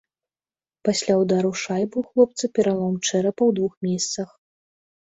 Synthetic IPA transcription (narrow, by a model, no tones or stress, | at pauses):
pasʲlʲawd̪aɾuʂajbɨwxlˠɔp̚t̪sɐpʲɛɾalˠɔmt͡ʂɛɾɐpɐwd̪vuxmʲesʲt̪sɐx